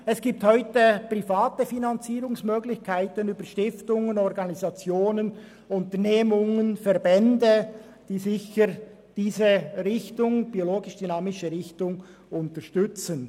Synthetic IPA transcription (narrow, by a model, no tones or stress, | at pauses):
ɛsɡ̥iːp̚thɔʏtəpʁifɑːtəfinɑnt͡siːɾʊŋsmøːɡlɪçkʰaɪtənyːbəɾʃtɪftʊŋənɔɾɡɑnizɑt͡sjoːnən | ʊntəʁneːmʊŋənfɛɾbɛndə | d̥iːzɪçəɾ | d̥iːzəɾɪçtʊŋb̥ioloːɡɪʃd̥ynɑːmɪʃəɾɪçtʊŋ | ʊntəʃtʏt͡sən